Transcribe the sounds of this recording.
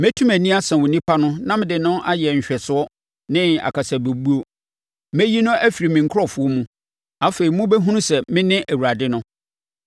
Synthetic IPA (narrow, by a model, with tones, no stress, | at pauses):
mæ˦tʰũ˦mæ˨nĩ˦a˦sɛ̃˨wʊ˨nĩ˦pʰa˦nʊ̃˦nã˦mɪ̃˦˨dɪ˨nʊ̃˦ʔa˦jɛ˨ɲ̩˨ɕᶣɛ˨sʊ˨˦ɔ˦ | nɪ̃˦a̰˨kʰa˨sa˨be˨bu˦o˦ | mæ˦ji˦nʊ̃˦ʔæ˦fi˨ɾi˨mɪ̃˨ŋ̩˨kʰʊ˦ɾɔ˨fʊ˨˦ɔ˦mũ˦ | a˦fe˨ɾi˨mʊ̃˦bɛ˦ɦũ˦nʊ̃˦sɛ˨mɪ̃˦nɪ̃˦ʔæ˨wu˨ɾa˨dɪ˦nʊ̃˦